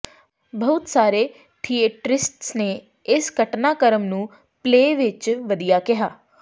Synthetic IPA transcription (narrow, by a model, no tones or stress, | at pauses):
bəʊt̪saːɾeː | ʈʰiːeːʈɾɪsʈsneː | ɪsɡʱəʈnaːkəɾəmnũː | pleːʋɪt͡ʃʋəd̪ijaːkɪɦaː